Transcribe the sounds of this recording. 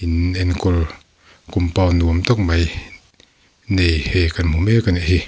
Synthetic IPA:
inɛnkɔl | kumpawnuəmt̪ɔk̚maj | nejhɛkanmumɛkanehi

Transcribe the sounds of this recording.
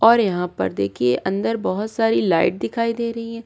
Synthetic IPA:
ɔːɾjɐɦãpɐ̰ɾd̪ḛːkʰieʔɐ̃nd̪əɾbɔɦʊt̪saːɾilaːɪʈ̚d̪ɪkʰaːid̪eːɾɐɦiɦɛ̃ː

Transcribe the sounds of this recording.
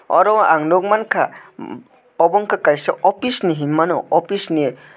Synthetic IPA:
ɔ̰ɾɔwaʔaŋnok̚mankʰa | ɔbɔŋkʰakajsɔɔpʰisniɦimːanɔ̰ɔpʰisni

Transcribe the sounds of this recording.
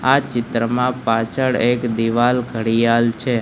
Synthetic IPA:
at͡ʃɪt̪ɾəmãpat͡ʃʰəɭekd̪iʋalɡʱəɽijalt͡ʃʰe

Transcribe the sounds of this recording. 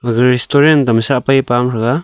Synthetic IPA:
aɡɯɾistɔɾendamsapajpamɾaɡa

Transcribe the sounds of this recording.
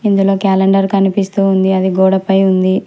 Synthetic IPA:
ind̪ulo̞ːkaːleɳɖɐɾkɐnipist̪uːund̪iɐd̪iɡɔːɽɐpɐjund̪i

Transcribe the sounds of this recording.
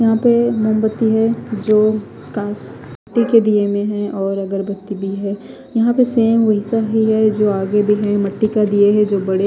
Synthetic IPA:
jɐɦãpemombət̪ːiɦɛd͡ʒoː | kaː | ʈːiked̪iemẽɦɛ̃ʔɔːɾɐɡəɾbɐt̪ːibʱiɦɛː | jɐɦãpeseːmʋɐɦɪsaɦiɦɛd͡ʒoːaːɡebʱiɦɛ̃mɐʈːikad̪ieɦɛ̃d͡ʒoːbɐɽe

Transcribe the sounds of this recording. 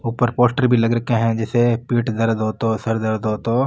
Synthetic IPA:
uːpəɾpoːsʈəɾbʱilɐɡɾɐkeɦɛ̃d͡ʒɛːsepiːʈd̪ɐɾd̪oːt̪osɐɾd̪əɾd̪oːt̪oː

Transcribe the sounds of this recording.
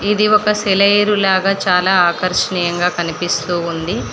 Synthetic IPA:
id̪iɔkɐsɛlɐjɾulaːɡaːt͡ʃaːlaːaːkɐɾʂɐɳiːjɐŋɡaːkɐnipist̪uːund̪i

